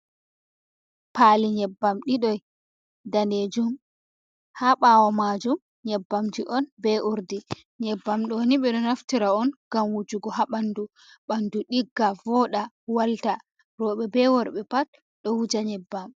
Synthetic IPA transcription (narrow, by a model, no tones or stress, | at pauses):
paːliɲɛbːamɗiɗɔj | daned͡ʒum | haɓaːwamaːd͡ʒum | ɲɛbːamd͡ʒiʔɔnbɛʔuɾdi | ɲɛbːamɗɔniɓɛɗɔnaftiɾaɔnɡ̥amwud͡ʒuɡɔɦaɓandu | ɓanduɗiɡːavɔɗa | walta | ɾɔɓɛbɛwɔɾɓɛpat̚ | ɗɔwud͡ʒaɲɛbːam